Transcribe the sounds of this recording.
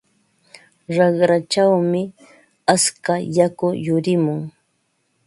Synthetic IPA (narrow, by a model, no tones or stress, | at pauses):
ɾɑχɾat͡ʃawmɪ | askajakʊjʊɾɪmʊŋ